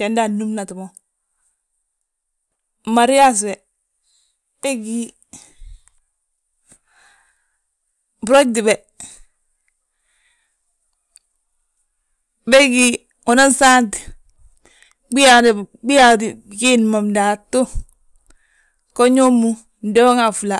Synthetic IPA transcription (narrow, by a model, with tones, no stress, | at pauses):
te˨nda˦˨nu˦mna˨tu˨mo˦˨ | ma˨ɾi˦ja˦s̬be˨ | be˦ɡi˦ | bu˨ɾo˦di˨be˨ | be˦ɡi˨ | o˨na˦nsa˦nt | ɡ͡bi˦ja˨dbi˦ja˨di˨ɡi˦nma˨mda˨tːo˦ | ko˦ɲo˦mu˦ | n˦de˦o˦ŋa˨fu˨la˨